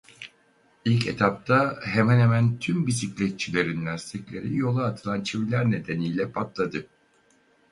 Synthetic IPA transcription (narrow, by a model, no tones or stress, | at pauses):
ilʲcʰḛt̪ʰap̚t̪ʰaɦemɛnhemænt̪ʰymbisiclʲɛt̪̚t͡ʃʰilʲe̞ɾinlʲæɾst̪iclʲe̞ɾijo̞lˠaːt̪ʰɯlˠant͡ʃʰivilʲæɾne̞d̪e̞nijlʲɛpʰat̪lˠad̪ɯ